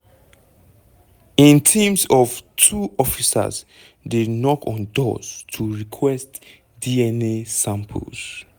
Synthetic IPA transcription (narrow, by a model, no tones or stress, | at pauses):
ĩntʰĩmsɔvtʰuʔɔfisə̰z | denɔkʰɔ̃ndɔ̰stʰuɹikʰwɛst | diɛnesãmpʰə̰ls